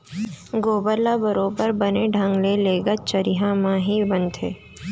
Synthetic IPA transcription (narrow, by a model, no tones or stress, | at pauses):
ɡoːbəlabəɾoːbəɾbəneɖʱãŋɡleleːɡət͡ʃəɾiɦãmãɦibə̃nt̪ɦḛː